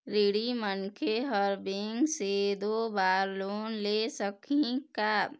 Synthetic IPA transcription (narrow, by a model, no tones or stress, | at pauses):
ɾiɽimənkʰeɦəɾbɪŋɡsed̪obaːɾloːnlesəkʰĩka